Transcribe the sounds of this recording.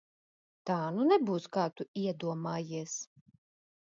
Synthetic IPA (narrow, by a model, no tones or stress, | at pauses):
t̪aːnunɛbuːskaːt̪uiɛd̪uɔmaːjiɛs